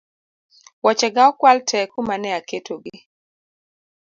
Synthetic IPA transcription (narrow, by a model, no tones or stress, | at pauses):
wɔt͡ʃɛɡaɔkwaltʰɛkumanɛaketʰoɡɪ